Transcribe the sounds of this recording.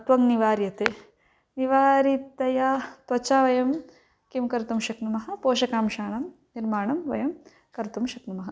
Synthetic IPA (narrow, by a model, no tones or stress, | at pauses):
ɐt̪ʋɐŋniʋaːɾjɐt̪e | niʋaːɾit̪ɐjat̪ʋɐt͡ʃaːʋɐjɐm | kimkɐɾt̪umʃɐknumɐɦɐ̆poːʃɐkaːmʃaːɳɐmniɾmaːɳɐmʋɐ̰jɐm | kɐɾt̪umʃɐknumɐɦɐ